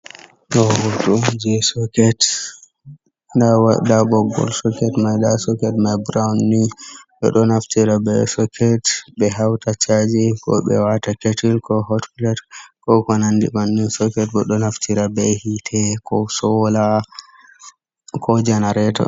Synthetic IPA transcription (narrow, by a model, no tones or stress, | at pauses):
ɗɔhɔtud͡ʒisɔkɛt | ndawadabɔɡːɔ̰lsɔkɛtmajɗasɔkɛtmajbɾawnːiɓɛ̰ɗɔnaftiɾabɛsɔkʰɛtbɛɦawtat͡ʃad͡ʒikɔ̰ɓɛ̰wataketilkɔhɔtflɛtkɔkɔnandimanːinsɔkɛtɓɛɗɔnaftʰiɾabɛhitʰɛkɔsɔla | kʰɔd͡ʒɛnaɾɛtɔ̰